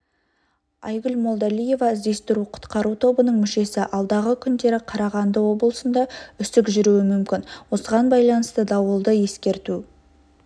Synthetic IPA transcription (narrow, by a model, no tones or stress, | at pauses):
ɑjɡʲʏlmo̞lˠd̪ɑlije̞vɑɪzd̪e̞st̪ɪɾuqʰʊ̥t̪qɑɾut̪ʰo̞bənəɴmʏʃe̞sɪʔɑlˠd̪ɑʁəkʲʰʏnd̪e̞ɾɪqʰɑɾɑʁɑnd̪əwo̞blˠəsənd̪ɑʏsɪkʒʏɾuɪmʏmkʲɪnwo̞səʁɑnbɑjlˠɑnəst̪əd̪ɑwəlˠd̪əje̞skʲe̞ɾt̪u